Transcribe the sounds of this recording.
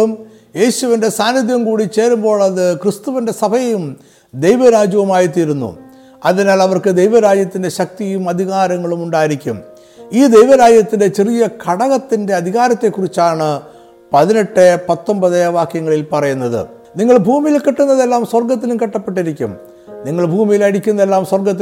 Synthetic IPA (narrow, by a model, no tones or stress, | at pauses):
um | je̞ːɕuʋinde̞saːnːid̪jɐmkuːɽit͡ɕe̞ːɾumbo̞ːɭɐðɨkrɨst̪uʋinde̞sɐbʱɐjɐjum | d̪e̞jʋɐɾaːd͡ʑɐʋɐmaːjit̪̬iːɾunːṵ | ɐðinaːlɐʋɐrkɨd̪e̞jʋɐɾaːd͡ʑjɐt̪ːinde̞ɕɐk̚t̪ijumɐd̪ʱiɣaːɾɐŋːɐɭumuɳɖaːjiɾikʲːum | iːd̪e̞jʋɐɾaːd͡ʑjɐt̪ːinde̞t͡ɕerijɐkʰɐɽɐɣɐt̪ːinde̞ɐd̪ʱiɣaːɾɐt̪ːe̞kːurit͡ɕːaːɳɨ | pɐðineʈːɨpɐt̪ːombɐðeʋaːkjɐŋːɐɭilpɐrɐjunːɐðɨ̰ | niŋːɐɭbʱuːmijilkiʈːunːɐðe̞lːaːmswɐrɡɐt̪̬ːilumkiʈːɐpːe̞ʈːiɾikʲːṵm | niŋːɐɭbʱuːmijilɐɽikʲːunːɐðelːaːmswɐrɡɐt̪ːi